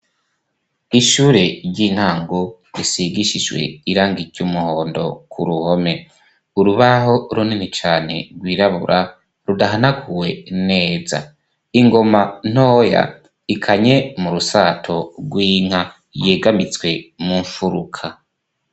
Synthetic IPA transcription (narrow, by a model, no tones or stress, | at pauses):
iʃuːɾe̞ɾɟin̥haːŋɡo | ɾisiɡiʃid͡ʒwe̞̰iɾaːŋɡiɟumuho̞ːndo̞̰kʰṵɾuho̞me̞ | uɾuβaɦo̞ɾuninit͡ʃaːne̞̰ɾɡwiːɾaβṵɾʔa | ɾudaɦanaɡʰuwe̞ne̞ːza̰ | iŋɡo̞man̥o̞ːja̰ | ikʰaɲe̞muɾusaːtʰo̞ɡwiːŋ̥ha | je̞ːɡamit͡swe̞muɱfuɾukʰa